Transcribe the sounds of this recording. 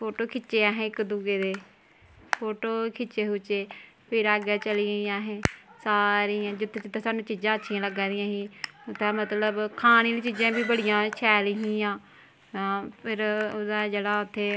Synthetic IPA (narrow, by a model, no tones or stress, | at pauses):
pʰoːʈoːkʰɪt͡ʃːeːãːɦẽːɪkd̪uɡeːd̪eː | pʰoːʈoːkʰɪt͡ʃːeːɦʊt͡ʃeː | pʰɪɾaːɡɛːt͡ʃəliːɡəiːãːɦẽːsaːɾiːãːd͡ʒʊt̪ʰːed͡ʒɪt̪ʰːãːsaːnũːt͡ʃiːzãːətːʃʰiːãːləɡãːd̪ɪjãːɦiːt̪aːmət̪ləbkʰaːñiːliːt͡ʃiːd͡ʒãːbiːbəɽɪjãːt͡ʃʰɛːliːɦĩːãː | apʰɪɾod̪aːd͡ʒeːɽaːʊt̪ʰːeː